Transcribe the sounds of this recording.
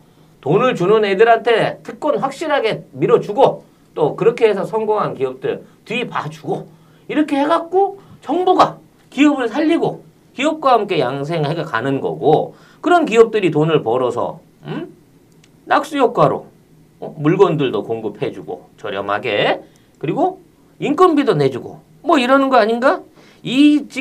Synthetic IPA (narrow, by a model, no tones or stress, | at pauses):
tonɯɭt͡ɕunɯnedɯɾɦantʰe̞tʰɯk̚k͈ʌnɸwak̚ɕ͈iɾɦaɡe̞miɾʌt͡ɕuɡo | t͈okɯɾʌkʰeɦesʰʌsʰʌŋɡoŋɦankiʌp̚t͈ɯɭtipat͡ɕuɡo | iɾʌkʰe̞he̞ɡat̚k͈ot͡ɕʌŋboɡa | kiʌbɯɭsʰaʎːiɡo | kiʌp̚k͈waɦamk͈e̞jaŋs̬ʰeŋheɡka̰nɯnɡʌ̰ɡo | kɯɾʌnkiʌp̚t͈ɯɾitonɯɭpʌɾʌsʰʌ̰ | nak̚s͈ujok͈waɾo̰ | muɭɡʌndɯɭdokoŋɡɯpʰe̞d͡ʑuɡo̰t͡ɕʌɾjʌ̰ma̰ɡe̞ | kɯɾiɡo | ink͈ʌnbidoned͡ʑuɡo̰ | mwʌiɾʌnɯnɡʌaɲinɡa | it͡ɕi